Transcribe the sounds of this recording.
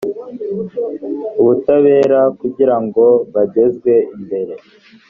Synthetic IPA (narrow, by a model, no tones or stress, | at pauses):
uβutaβe̞ːɾakuɟiɾaŋɡo̞βaɟe̞zɡwe̞imbe̞ɾe̞